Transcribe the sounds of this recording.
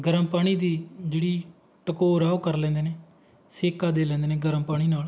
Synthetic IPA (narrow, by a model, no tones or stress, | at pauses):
ɡəɾəmpaːɽ̃iːd̪iːd͡ʒeːɽiː | ʈəkoːɾaːokəɾlɛ̃ːnd̪eːneː | seːkaːd̪eːlɛ̃ːnd̪eːneːɡəɾəmpaːɽiːnaːl